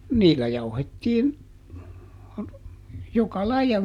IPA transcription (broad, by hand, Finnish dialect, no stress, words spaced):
niːlːæ jɑuhetːiːn jokɑ lɑijɑ